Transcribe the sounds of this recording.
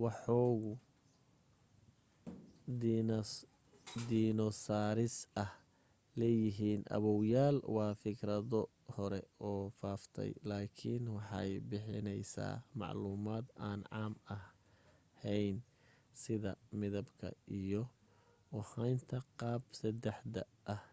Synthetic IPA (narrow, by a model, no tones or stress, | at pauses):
wɑħɔːɣʊ | d̪iːnɔsaːɾɪsɐh | lɛːjɪɦiːnʔɐ̰βɔwjaːlwɑːfɪkʰɾɐðɔ | hɔɾɛ̰ɔːfaːft̪ʰɛ̰jlaːkʰɪ̰nwɑħɑ̰jbɪħɪ̰nɛjsa̰ːmɑ̰ʕluːmaːd̪aːnʕɑːmɐ | hɛjn | sɪðɐmɪðɐbkʰɐ̰ijɔ | ʊhɑjnt̪ʰɐqɑːbsɐd̪ɛħd̪ɐ | ʔːh